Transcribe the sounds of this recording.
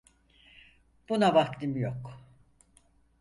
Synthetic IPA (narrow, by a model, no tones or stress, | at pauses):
b̥unabakt̪ʰɯmjok